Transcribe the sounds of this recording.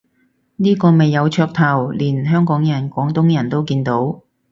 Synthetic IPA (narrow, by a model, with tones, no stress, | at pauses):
niː˥kɔː˧me˨jːɐ˨˧wt͡ʃʰœː˧k̚t̪ʰɐ˨˩wliː˨˩nɦœː˥ŋkɔː˨˥ŋjɐ˨˩nkʷɔː˨˥ŋt̪ʊ˨˥ŋjɐ˨˩nt̪o˥wkiː˧nt̪o˨˥w